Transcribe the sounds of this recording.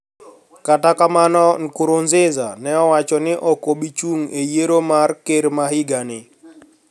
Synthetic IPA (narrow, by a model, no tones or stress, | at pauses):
katakamanɔkʊɾonzɪzanɛɔwat͡ʃɔnɪʔɔkoɓit͡ʃuŋejeɾomarkeɾmahɪɡanɪ